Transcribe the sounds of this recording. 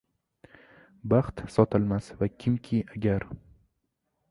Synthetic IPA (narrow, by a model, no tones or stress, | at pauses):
baχt̪sɒt̪ʰɪlmasvakʲʰɪmkʲʰɪaɡʲaɾ